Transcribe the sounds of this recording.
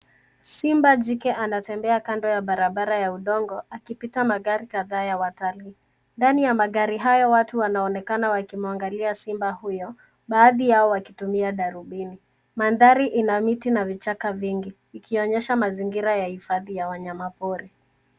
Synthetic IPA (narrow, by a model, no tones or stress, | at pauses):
simbad͡ʒikɛʔanatɛmbɛakandɔjaɓaɾaɓaɾajauɗɔŋɡɔakipitamaɣaɾikaðaːjawatali | ndanijamaɠaɾiɦajɔwatuwanaɔnɛkanawakimuaŋɡaliasimbahujɔ | ɓaːðijaɔwakitumiaɗaɾuɓini | manðaɾiʔinamitinavit͡ʃakaviŋɡiːkʰiɔɲɛʃamaziŋɡiɾajahifaðijawaɲamapɔɾi